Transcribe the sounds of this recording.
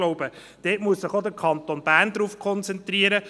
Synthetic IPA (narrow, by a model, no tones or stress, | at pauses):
loʊb̥ə | d̥eːtmuəssɪχod̪əkʰɑnt̪onb̥æːʁnd̪ɾuːfkʰχɔnt͡sɛnt̪riəɾə